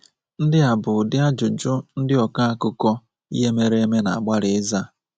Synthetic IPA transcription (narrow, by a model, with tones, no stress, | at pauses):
n̩˦dɪ˦a˨bʊ˨dɪ˦a˦d͡ʒʊ˨d͡ʒʊ˦n̩˦dɪ˦ɔ˨ka˦a˦kʊ˦kɔ˦ | ḭ˦ɦe˦me˦ɾe˦e˦me˦na˨a˨ɡ͡ba˦ɾɪ˨ɪ˦za˦